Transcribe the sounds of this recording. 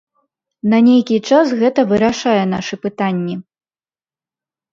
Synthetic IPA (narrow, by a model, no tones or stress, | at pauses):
nɐnʲejkʲit͡ʂasɣɛt̪ɐvɨɾaʂajɛn̪aʂɨpɨt̪anʲːi